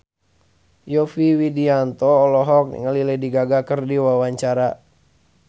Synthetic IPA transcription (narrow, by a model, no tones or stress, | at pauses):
jɔfiwidiant̪ɔːlɔɦɔk̚nḭŋəlilɛdiɡaɡakərdiwawaɲt͡ʃaɾa